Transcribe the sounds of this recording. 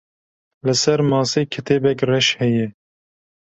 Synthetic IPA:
lɨsɛɾmɑːseːkʰɨt̪ʰeːbɛkrɛʃhɛjɛ

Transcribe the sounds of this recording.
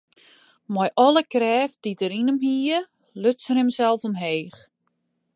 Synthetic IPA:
mɔjʔɔlˠəkrɛːfd̥itəɾinəmhiːə | løtsənɪmsɛlˠfɔmɦeːx

